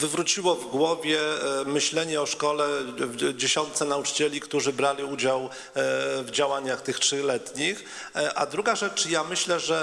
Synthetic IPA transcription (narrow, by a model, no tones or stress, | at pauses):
vɘvɾut͡ɕiwɔvɡwɔvʲjɛmɘɕlɛɲɛɔʂkɔlɛd͡ʑeɕɔnt̪sɛnaut͡ʂɘ̥t͡ɕɛlʲikt̪uʐɘbɾalʲiud͡ʑaw | vd͡ʑawaɲaxt̪ɘxtʂɘlɛt̪ɲix | ʔad̪ɾuɡaʐɛt͡ʂjamɘɕlɛʐɛ